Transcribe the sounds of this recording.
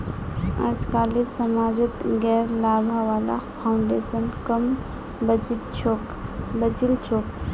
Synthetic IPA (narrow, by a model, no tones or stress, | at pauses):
a̰d͡ʒkalisəmad͡ʒət̪ɡɛɾlabʱaʋala̰pʰaʊɳɖesənkəm | b̪t͡ʃʰo | bət͡ʃilt͡ʃʰok